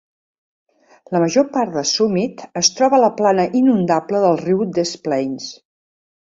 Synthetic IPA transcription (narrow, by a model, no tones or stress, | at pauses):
ləməʒopaɾt̪d̪əsumit̪əst̪ɾɔβələplanəʔinund̪apləðəlˠriwd̪əsplɛns